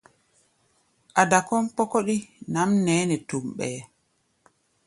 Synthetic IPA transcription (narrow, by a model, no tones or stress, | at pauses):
ʔadakɔnpɔkoɗinamnɛːnɛtumɓɛ